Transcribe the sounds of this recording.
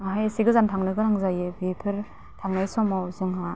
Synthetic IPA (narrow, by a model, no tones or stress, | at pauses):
aɦajsiɡɯzantʰaŋlɯɡɯɾaŋzajɯbipʰɯɾ | tʰaŋnajsɔmawzɯŋɦa